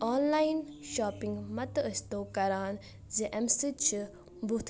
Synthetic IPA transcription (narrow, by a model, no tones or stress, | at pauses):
oːnlaːjnʃaːpiŋɡmɐt̪ɐəst̪oːkɐɾaːn | zeʔɐmsɨt͡ʃʰɨ | but̪ʰ